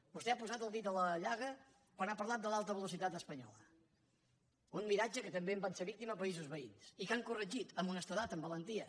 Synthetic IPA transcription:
bust̪ɛapuzat̪əlˠd̪it̪ələʎaɣə | pəɾnapəɾlat̪̚d̪əlalˠt̪əβ̞əlusit̪at̪əspəɲɔ̰lə̰ | unmiɾad͡ʒəkət̪əmbeəmbanseɾβik̚t̪iməpəizuzβəḭnsikaŋkurəʒit̪əmunəst̪əðat̪əmbələnt̪iə

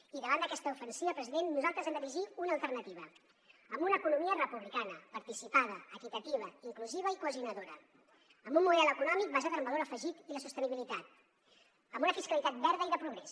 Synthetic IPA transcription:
iðəβand̪əkɛst̪əufənsiβəpɾəziðenːuzalˠt̪ɾəzɛmd̪əɾiiʒiunəːlˠt̪əɾnət̪iβ̞ə | əmbunəːkunumiərəpuβlikanəpəɾt̪isipaðəəkit̪ət̪iβ̞əiŋkluziβ̞əikuəziunəðoɾə | əmbunmuðɛlˠəkunɔmik̚bazat̪ɾəmbəðoɾəfəʒit̪iləsust̪əniβilit̪at̪ | əmbunəfiskəlit̪at̪̚bɛɾðəiðəpɾuɣ̞ɾɛs

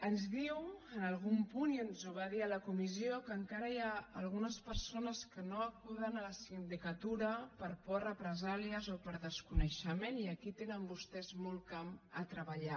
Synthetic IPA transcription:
ənzðiwənəlˠɣumpuniənzuβaðiələkumiziokəŋkaɾəjaəlˠɣunəspəɾsonəskənoəkuðənələsind̪ikət̪uɾəpəɾpɔrəpɾəzaliəzopəɾðəskunəʃəmeniəkit̪enəmbust̪ɛzmɔlˠkamət̪ɾəβəʎa

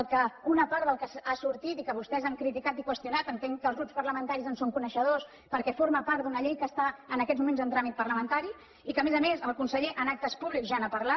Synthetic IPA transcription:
əlˠkəunəpaɾt̪d̪əlˠkəsasuɾt̪it̪ikəβ̞ust̪ɛzaŋkɾit̪ikat̪ikwəst̪junat̪ənt̪eŋkəlzɣɾupspəɾləmənt̪aɾizənsoŋkunəʃəð̞os | pəɾkɛfoɾməpaɾt̪d̪unəʎejkəst̪aənəkɛzmumẽnzənt̪ɾamit̪̚pərləmənt̪aɾi | ikəmezəmezəlˠkunsəʎeʔənak̚t̪əspuβlikzʒaːnapəɾlat̪̚

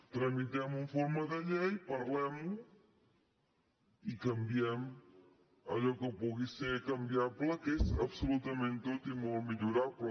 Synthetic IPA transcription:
t̪ɾɐmit̪ɛmũɱfɔɾmɐðɐʎejpɐɾlɛmu | ikɐmbiɛm | ɐ̰ʎɔkəpoɣisekɐmbiaɾplɐkesɐβsulut̪ɐmẽnt̪ot̪imomiʎuɾaɾpl

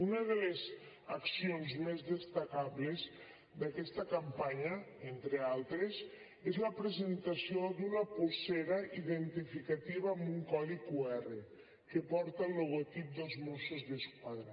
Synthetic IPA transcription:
unaðelez | aksionzmezðest̪akaβlez | d̪akɛst̪ɐkampaɲaent̪ɾealˠt̪ɾez | ezlɐpɾezent̪asijod̪unɐpuseɾaʔiðent̪ifikat̪iβaːmbuŋkɔðikuɛre | kepɔɾt̪alːoɣot̪ip̚d̪elˠzmusozðeskwaðɾa

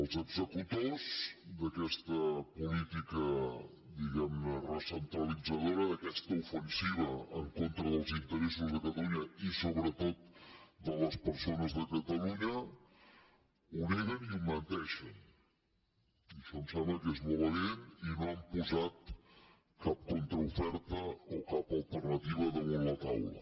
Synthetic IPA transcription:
əlˠzəɡzəkut̪ozd̪əkɛst̪əpulit̪ikə | d̪iɣɛmnərəsənt̪ɾəlid͡zəð̞oɾəðəkɛst̪əufənsiβəəŋkont̪ɾəðəlˠzint̪əɾes̬uzðəkət̪əluɲəisoβɾət̪ot̪̚d̪ələspəɾsonəzðəkət̪əluɲə | uneɾəniumənt̪ɛʃən | iʃɔnsɛβəkezmuβəleninoəmpuzat̪̚ | kap̚kont̪ɾəufɛɾt̪əokapəlˠt̪ərnət̪iβ̞əðəβullət̪awlə̰

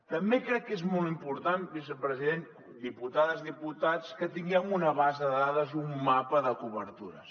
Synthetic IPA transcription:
t̪əmbekɾɛkːezmɔlˠt̪impuɾt̪anbisəpɾəziðen | d̪iput̪aðəzðiput̪at͡skət̪iŋɡɛmunəβazəðəðaðəzumːapəðəkuβəɾt̪uɾə̰s

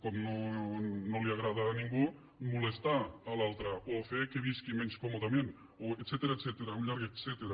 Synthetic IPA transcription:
komnonoliaɣ̞ɾað̞anĩŋɡu | mulest̪aalalt̪ɾaʔofekeβiskimenskomot̪amjen | oeset̪eɾaeset̪eɾauɲʎaɾɣeset̪eɾa

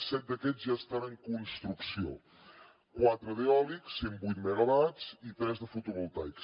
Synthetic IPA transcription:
sɛt̪̚d̪əkɛd͡zzʒaəst̪anəŋkunst̪ɾuksio̰ | kwat̪ɾəðeɔliksːembujt̪məɣəβat͡sit̪ɾɛzðəfut̪uβulˠt̪ajks

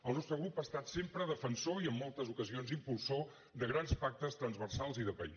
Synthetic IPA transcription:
əlˠnɔst̪ɾəɣɾupast̪at̪sempɾəðəfənsoiəmːɔlˠt̪əzukəzionzimpulˠso | d̪əɣɾanspak̚t̪əst̪ɾənzβərsalˠziðəpəḭ

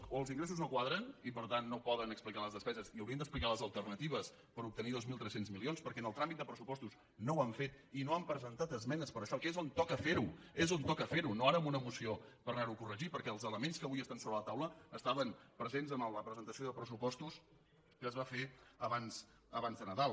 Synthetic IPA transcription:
əlˠziŋɡɾes̬uznokwaðɾənipəɾt̪anːopɔðənəksplikaləzðəspɛzəziəwɾiənd̪əsplikaləzəlˠt̪ərnət̪iβəs | pəɾup̚t̪əniðozmilˠt̪ɾɛsenzmilionspəɾkɛənəlˠt̪ɾamit̪̚d̪əpɾəsupɔst̪us | nowaɱfet̪ | inoampɾəzənt̪at̪əzmɛnəspəɾəʃɔkezont̪ɔkəfeɾuezont̪ɔkəfeɾunoaɾəəmunəmusiopəɾnaɾukurəʒipəɾkɛəlˠzələmenskəβujəst̪ansoβɾələt̪awləːst̪aβəmpɾəzenzəmələpɾəzənt̪əsioðəpɾəsupɔst̪us | kəːzβafeəβanz | əβanzðənəðalˠ

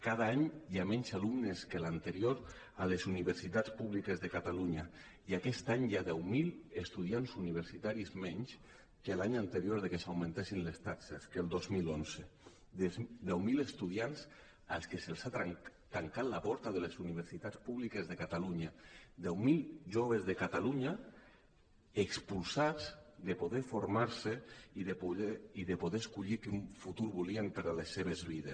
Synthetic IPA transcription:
kað̞aaɲjamɛɲzalumneskelant̪əɾioɾ | alezuniβəɾsit̪at͡spuβlikezðekat̪aluɲa | iakɛst̪aɲjaðɛwmilest̪uð̞ianzuniβ̞əɾsit̪aɾizmɛɲs | kelaɲant̪əɾjoɾðekesawmẽnt̪esinlest̪akseskelˠd̪ozmilonze | d̪ɛwmilest̪uð̞ians | a̰lˠskeselˠsat̪at̪aŋkat̪lapɔɾt̪aðelesuniβ̞eɾsit̪at͡spuβlikezðekat̪aluɲad̪ɛwmilʒoβ̞ezðekat̪aluɲa | ekspulsazd̪epoðefoɾmaɾseiðepuiðepoðeskuʎikeuɱfut̪uɾβuliempeɾalesːeβ̞ezβiðes

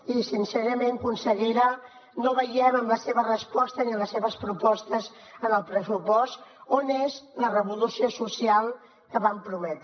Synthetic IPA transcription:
isinsɛɾəmeŋkunsəɣiɾa | noβəjɛməmləseβərəspɔst̪əniəmləseβəspɾupɔst̪əz | ənəlˠpɾəsupɔst̪onezlərəβulusiosusialˠ | kəβampɾumɛt̪

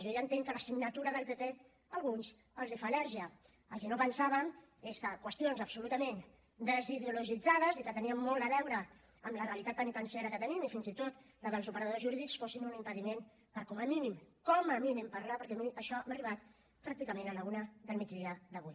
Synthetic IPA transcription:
ʒɔʒaənt̪eŋkələsiɡnət̪uɾəðəlˠpepe | əlˠɣuns | əlzðəfalɛɾʒiə | əlˠkɛnopənsaβ̞əm | eskəkwəst̪ionzəpsulut̪əmen | d̪əziðeuluʒid͡zað̞əzikət̪əniəmːɔlˠt̪əβɛwɾə | əmləreəlit̪at̪̚pənit̪ənsiɛɾəkət̪ənimifinzit̪ot̪ | ləðəlˠzupəɾəðð̞ozʒuɾiðiksfosinunimpəðimen | pəɾkɔməminimkɔməminɛmpəɾlapəɾkɛmiəʃɔmariβat̪ | pɾak̚t̪ikəmẽnələunəðəlˠmid͡zd̪ðiəðəβuj

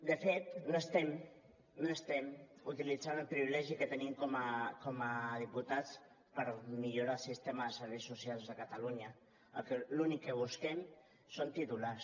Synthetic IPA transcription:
d̪əfet̪̚noest̪ɛm | noest̪ɛmut̪ilid͡zanəlˠpɾiβilɛʒikət̪ənimkomakoməð̞iput̪at͡s | pəɾmiʎuɾalˠsist̪emaðəsəɾβejsusialˠzðəkat̪aluɲə | ə̰lkelunikːəβ̞uskɛm | sont̪it̪ulas

